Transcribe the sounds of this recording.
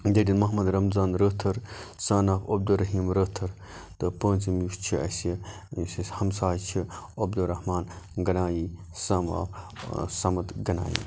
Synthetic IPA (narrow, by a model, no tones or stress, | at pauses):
d̪eʈinmɐɦmɐd̪ɾɐmzaːnɾəːt̪ʰɐɾsaːnaːfɐb̚d̪uɾɐɦiːmɾəːt̪ʰɐɾ | t̪ɨpə̃ːnt͡simjust͡ʃʰiɐsi | sihɐmsaːjt͡ʃʰiɐb̚d̪uɾɐhmaːnɡɐnaːjiː | sɐːma̰ːfsɐmɐt̪ɡɐna̰ːjḭː